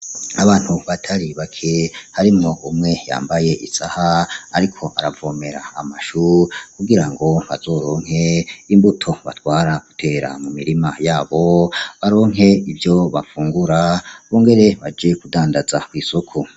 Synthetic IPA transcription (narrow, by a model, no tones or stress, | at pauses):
aβaːn̥huβatʰaɾiβakʰe̞haɾimŋo̞ʔumŋe̞ja̰ːmbaje̞ʔisahaa̰ɾikʰo̞ʔaɾavo̞ːme̞ɾa̰a̰maʃukuɡiɾaŋɡo̞βa̰zo̞ːɾo̞ːŋ̥ɦe̞imbutʰo̞βa̰twaːɾaɡ̥utʰe̞ːɾa̰mumiɾimajaːβo̞βaɾo̞ːŋɦe̞ivjo̞βa̰fuːŋɡuɾaβoːŋɡe̞ɾe̞βad͡ʒe̞kudaːndazakwiːsokʰo